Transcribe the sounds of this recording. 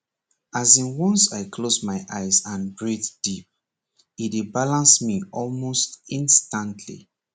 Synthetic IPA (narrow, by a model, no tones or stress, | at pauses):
azĩnwɔ̃nsaɪkʰlozmaɪʔaɪzãnɡɹitd̥ip̚ | it̚debalãnsmiɔlmostĩnstãntʰlḭ